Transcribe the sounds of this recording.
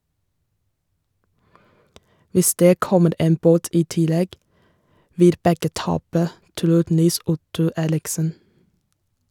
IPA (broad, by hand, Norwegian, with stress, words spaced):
ˈʋɪs ˈdeː ˈkɔməɾ ˈeːm ˈboːt ˈiː ˈtɪˌlɛɡ ˈʋɪl ˈbɛɡə ˈtɑːpə ˈtɾuː ˈniːˌsʊtʊ ˈeːɾɪksən